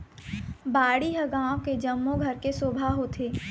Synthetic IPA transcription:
baːɽiɦəɡãːked͡ʒɐmːoɡʱɐɾkesoːbʱaɦot̪ʰeː

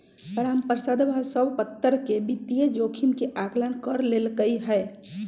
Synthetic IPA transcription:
təɾampəɾsad̪bʱasəbpət̪ːəɾkebit̪ijed͡ʒokʰimkeʔaklənkəɾlelkəiɦɛ

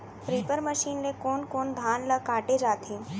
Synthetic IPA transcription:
pɾiːpəɾməʃiːnlekoːnkoːnd̪ʱaːnləkaːʈed͡ʒaːt̪ʰĩː

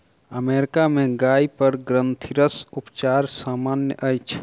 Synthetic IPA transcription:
əmeːɾɪkamẽɡaːipəɾɡɾə̃nt̪ʰiɾəsʊpt͡ʃaːɾsaːmaːnjə̰ʔəjt͡ʃʰ

